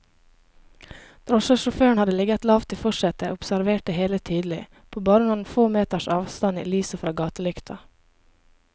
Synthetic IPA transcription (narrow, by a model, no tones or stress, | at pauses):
d̪̥ɾɔʃəʃʊføːɳhɑd̪əlɪɡɑt̪lɑːʋt̪ʰɪfɔʃɛt̪əʔʊpsæɾʋeːʈəheːlət̪ʰiːd̪l̩ɪ | pʰoːbɑːɾənuːnfoːmeːt̪əʃɑːʋst̪ɑnḭːlyːsəfɾɑːɡɑːt̪əlʏkt̪ʰɑ